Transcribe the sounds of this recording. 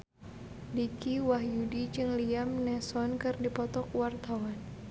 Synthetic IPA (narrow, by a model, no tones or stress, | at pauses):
dikiwaɦjudid͡ʒɨŋliamnɛsɔnkɨrdipɔt̪ɔk̚wart̪awan